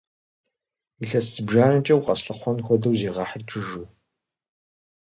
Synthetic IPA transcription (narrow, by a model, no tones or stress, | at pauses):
iɬɐsɨbʒaːrɨt͡ʃʼɐwqʼɐsɬɨχʷɔnxʷɔdɐwziːʁɑħərʈ͡ʂʼʰɨʒuː